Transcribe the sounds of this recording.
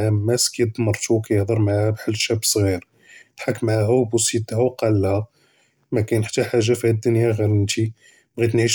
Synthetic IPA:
ʕæmmːæskæjd̪ˤmɑɾˤt̪uwkæjəhd̪ˤəɾˤmaʕahæbħəlːʃæbsˤɣiɾ | t̪ħakːmaʕɦæwbusit̪hæwqɑlːhæ | mækæjnəħt̪ːæħaʒːafihæd̪ːʊnjaɣæɾənt̪i | bɣit̪nʕiʃ

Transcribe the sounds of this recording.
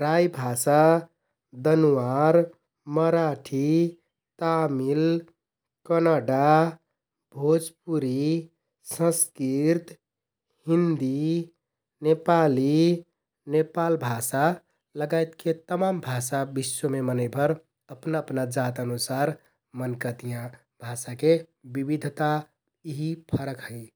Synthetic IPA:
ɾajbʱasa | d̪ənuwaɾ | məɾaʈʰi | t̪amil | kənaɖa | bʱod͡ʒp̚uɾi | sə̃skiɾt̪ | hind̪i | nepali | nepalbʱasa | ləɡajt̪ket̪əmambʱasabisːomemənəɪbʰʱəɾ | əpnaəpnad͡ʒat̪ənusaɾ | mənkət̪ijã | bʱasakebibid̪ʱt̪a | iɦipʰəɾəkɦəɪ

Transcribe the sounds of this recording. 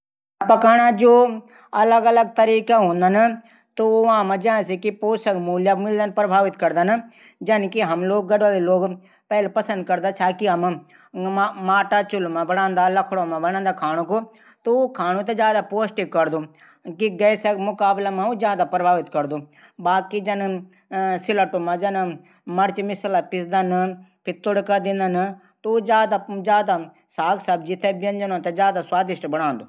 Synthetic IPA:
pɐkaːɽ̃ad͡ʒoː | ɐləɡɐləɡ̚t̪ɐɾiːkaɦõːnd̪ana | t̪oʋɦãmãd͡ʒɐãsekipoːsɐkmuːljamɪld̪anpɾəbʱaːʋɪt̪kɐɾd̪ana | d͡ʒɐnkiɦɐmloːɡ̚ɡɐɖʋaːleloːɡ | pɛːlepɐsə̃nd̪̚kɐɾd̪at͡ʃʰaːkiɦɐm | maːʈat͡ʃʊlmãbɐɽãːnd̪alɐkʰɽõmãbɐɽ̃ãːnd̪akʰaːñõko | t̪ukʰaːɽ̃ũt̪ɐd͡ʒjaːd̪apoːsʈikːɐɾd̪u | kiɡɐjsemʊkaːblamãud͡ʒjaːd̪apɾbʱaːʋɪt̪kɐɾd̪u | baːkid͡ʒɐn | sɪlɐʈumãd͡ʒɐn | mɐɾt͡ʃmɪslapɪsd̪anpʰɪt̪ːoɽkɐd̪ĩnd̪an | t̪ud͡ʒjaːd̪ad͡ʒjaːd̪a | saːɡsɐbd͡ʒit̪ʰebjɐnd͡ʒɐnõt̪ɐzjaːd̪aswaːd̪ɪʃʈbɐɽ̃ãːnd̪oː

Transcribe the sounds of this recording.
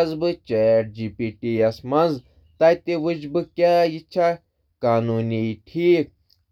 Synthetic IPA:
ɐzbɨt͡ʃeːʈ̚d͡ʒiːpiːʈiɐsmɐnz | t̪aːjt̪eʋɨd͡ʒbɨkʲaːit͡ʃʰa | kaːnuːniʈʰiːk̚

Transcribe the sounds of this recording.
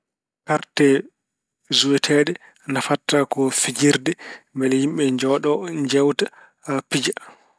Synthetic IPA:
kaɾtɛ | zuwɛtʰɛɗɛ | nafatːakɔfid͡ʒiɾdɛmbɛlhimɓɛɲd͡ʒɔɗɔɲd͡ʒɛwta | pid͡ʒa

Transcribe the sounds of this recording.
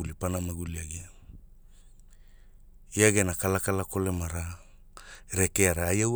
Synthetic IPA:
ulipanamaɡuliaɡia | iaɡe̞nakalakalako̞le̞maɾa | ɾe̞keaɾaːjaw

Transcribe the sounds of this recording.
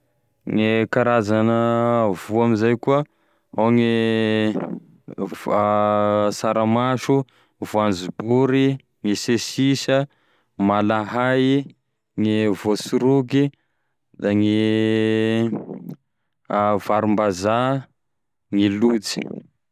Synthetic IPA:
ŋikaɾazanəvuamizajkuə | awŋi | saɾamaʃu | vuand͡zubuɾi | ŋisesisə | malaɦaj | ŋivosuɾuɡi | d̪aŋi | vaɾumbaza | ŋilut͡si̥̰

